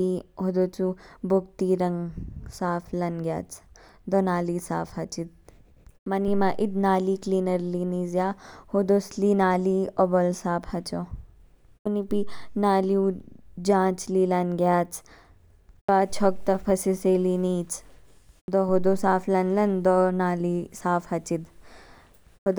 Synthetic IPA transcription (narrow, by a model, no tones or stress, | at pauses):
iɦod̪ot͡subok̚t̪iɾɐŋsaːfʰlɐnɡʲja̰ːt͡s | d̪onaːlisa̰ːfʰhɐt͡ʃit̪̚ | mɐnimaʔid̪naːliːkliːnɐɾliniːzjaːhod̪oslinaːliobɐlsaːpʰhɐt͡ʃo | unipinaːliũd͡ʒãːt͡ʃlilɐnɡjaːt͡s | baːt͡ʃʰɔk̚t̪ɐpʰɐsiseːliniːt͡s | d̪oɦod̪osaːfʰlɐnlɐnd̪ɔnaːlisaːfʰhɐt͡ʃid̪ | od̪